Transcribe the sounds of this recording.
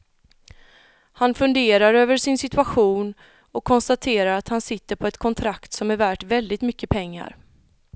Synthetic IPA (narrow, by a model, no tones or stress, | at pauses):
hanfɵnd̪eːɾaɾøːvəʂɪnsɪt̪ʉaɧuːn | ɔkʰːɔnst̪at̪ʰeːɾaɾat̪hansɪt̪ːəɾpʰɔɛt̪kʰɔnt̪ʰɾakt̪sɔmæɾvæːʈvɛld̪ɪt̪mʏkːəpʰɛŋːa̰ɾ